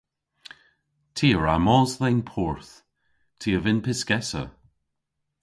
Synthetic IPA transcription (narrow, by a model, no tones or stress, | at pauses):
tʰiːəɹa̰mɔːzðɛnpʰɔːɹθ | tʰiːəvɪnpʰɪskɛsə̰